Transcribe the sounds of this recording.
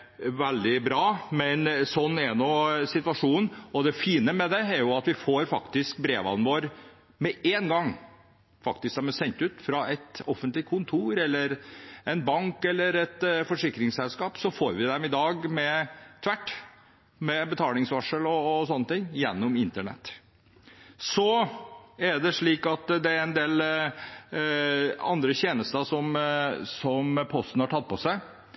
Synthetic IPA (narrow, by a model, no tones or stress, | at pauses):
ʋɛld̪ɪbɾɑːmɛnsɔnːɛɾnɔsɪt̪ʋɑʂuːnn̩ɔd̪ɛfiːnəmɛd̪ɛːɾjʊɑt̪ʋɪfoːɾfɑkt̪ɪsk̚bɾeːʋɑ̰nʋoːɾ | mɛeːnɡɑŋː | fɑkt̪ɪskd̪ɛmɛsɛnt̪ʉːt̪fɾɑɛt̪ɔfənt̪lɪkʰːʊnt̪ʰuːɾɛlːəɾɛnbɑŋkɛlːəɾɛt̪fɔʂɪkːɾɪŋsɛlskɑːpsɔfoːɾʋɪd̪ɛmɪd̪ɑːɡmɛt̪ʰʋæʈː | mɛbət̪ʰɑːlɪŋsʋɑʂəlɔsɔnːət̪ɪŋːjɛnːʊmɪnt̪əɳɛ̰t̪ː | sɔ | æɖɛʂɭiːkɑt̪d̪ɛæɾɛnd̪eːl | ɑ̰nd̪ɾəçeːnəst̪əsɔmsɔmpʰɔst̪ən̩hɑʈʰɑt̪̚ːpʰɔsæɪ